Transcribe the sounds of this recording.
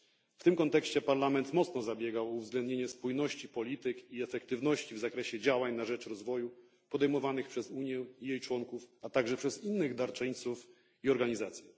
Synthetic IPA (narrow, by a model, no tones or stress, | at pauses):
ft̪ɘmkɔnt̪ɛkɕt͡ɕɛpaɾlamɛnt̪mɔt̪snɔzabʲjɛɡawɔuvzɡlɛnd̪ɲeɲɛspujnɔɕt͡ɕipɔlʲit̪ɘkiɛfɛkt̪ɘvnɔɕt͡ɕivzakɾɛɕɛd͡ʑawaɲnaʐɛt͡ʂɾɔzvɔju | pɔd̪ɛjmɔvanɘxpʂɛzuɲjɛijejt͡ʂwɔŋkufat̪aɡʐɛpʂɛzinːɘɣd̪aɾt͡ʂɛɲt̪suf | iɔɾɡaɲizat̪sʲjɛ